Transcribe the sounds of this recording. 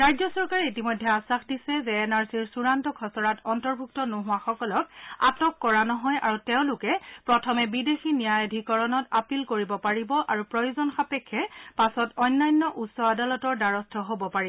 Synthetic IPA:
ɹajzɔsɔɹkaɹiitimɔjdʱːɛasaxdisɛzɛːnaɹsiɹsuɹantɔkʰɔsɔɹatɔntɔɹbʱuktɔnoɦʊaxɔkɔlɔk̚a̰tɔkːɔɹanɔɦɔja̰ɹutɛʊ̃lʊkɛpɹɔtʰɔmɛbidexinijajadʱikɔɹɔnɔtapilkoɹibɔpaɹibɔʔaɹupɹɔjuzɔnxapɛkʰːɛpasɔtɔjnːajnːɔʔutsɔadalɔtɔɹdaɹɔstʰɔɦobɔpaɹib

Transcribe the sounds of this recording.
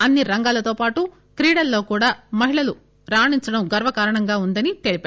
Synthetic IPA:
ɐnːiɾɐŋɡaːlɐt̪o̞ːpaːʈu | kɾiːɽɐlːo̞ːkuːɽaːmɐɦiɭɐlu | ɾaːɳiɲt͡ʃɐɽɐmɡɐɾʋɐkaːɾɐɳɐŋɡaːund̪ɐnit̪eɭipaː

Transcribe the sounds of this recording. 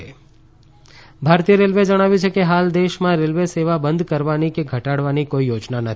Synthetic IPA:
bʱaɾt̪ijəɾelʋed͡ʒəɽ̃aʋjũt͡ʃʰekeɦald̪eʃmãɾelʋeseʋabənd̪ʱkəɾʋanikeɡʱəʈaɽʋanikoijod͡ʒnanət̪

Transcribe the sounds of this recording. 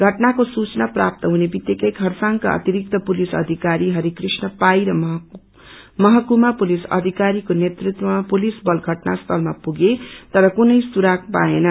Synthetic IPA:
ɡʱʌʈnakosut͡snaprap̚t̪ʌɦunebit̪jekʌjkʰʌrsaŋka̰ʌ̰t̪iɾik̚t̪ʌpulisʌ̰d̪ʱikaɾiɦʌɾikrisnʌpajɾʌmɦ | mʌɦʌkumapulisʌ̰d̪ʱikaɾikonet̪rit̪wʌmapulisbʌlɡʱʌʈnast̪ʰʌlmapuɡet̪ʌɾʌkunʌjsuɾak̚paenʌ

